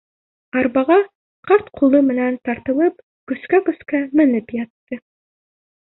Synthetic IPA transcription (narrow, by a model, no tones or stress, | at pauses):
ɑɾβɑʁɑ | qɑɾt̪qʰulˠɤmɘ̆nænt̪ɑɾt̪ɤ̆lˠɤp | kɵ̆skækɵ̆skæmɘ̆nɘpjɑt̪ːɤ